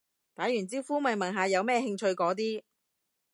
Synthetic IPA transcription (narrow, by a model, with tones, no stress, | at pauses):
t̪aː˨˥jyː˨˩nt͡siː˥wfuː˥mɐ˨˩jmɐ˨˩nɦaː˨jɐ˨˧wmɛː˥˧hɪ˧ŋt͡ʃʰɵ˧ɥkɔː˨˥t̪̬iː˥